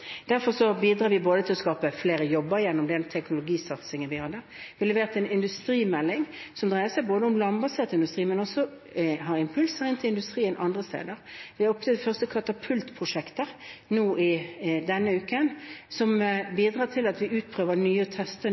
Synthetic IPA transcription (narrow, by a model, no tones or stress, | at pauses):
d̪̥æʁfɔʁsɔbiːd̪ɾɑːʋɪboːd̪ət̪ʰɪlɔskɑːpəfleːɾəjɔbːəjɛnːɔmd̪ɛnt̪ʰɛknʊlʊɡiːsɑt̪sɪŋənʋɪhɑd̪ːə | ʋɪlɛʋeːʁət̪ʰɛnɪnd̪ʉst̪ɾiːmɛlːɪŋsɔmd̪ʁæɪəsæɪboːd̪əʊmlɑmbɑseːʁt̪ɪnd̪ʉst̪ʁiːmɛnɔsɔ | ɦɑʁɪmpʰʉlsəʁɪnt̪ʰɪlɪnd̪ʉst̪ʁiːənʔɑnd̪ʁəst̪ḛːd̪əɾʋɪɔpt̪əfœʁst̪əkʰɑt̪ɑpʰʉlt̪pʰʁʊʂɛkt̪əʁnuːɪd̪ɛnːəʉːkənsɔmbiːd̪ʁɑːt̪ʰɪlɑt̪ʋɪʉːt̪̚pʰʁøːʋəʁnyːət̪ʰɛst̪ə